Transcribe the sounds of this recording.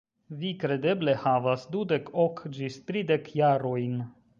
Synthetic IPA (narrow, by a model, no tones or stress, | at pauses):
vikɾe̞d̪e̞ble̞havasd̪ud̪e̞kʰokd͡ʒist̪ɾid̪ekjaɾojn